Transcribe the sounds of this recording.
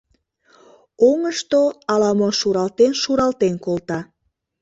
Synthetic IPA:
oŋəʃt̪oɑlɑmoʃuɾɑlt̪enʃuɾɑlt̪enkolt̪ɑ

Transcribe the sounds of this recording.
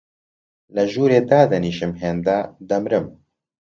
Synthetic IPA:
lɐʒuːɾeːd̪aːd̪ɐniːʃɨmɦeːnd̪ad̪ɐmɾɨm

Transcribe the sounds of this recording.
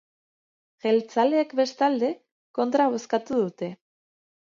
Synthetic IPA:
ʝe̞lt͡sale̞ːkbe̞st̪ald̪e̞ | ko̞nt̪ɾaβ̞o̞skat̪uðut̪e̞

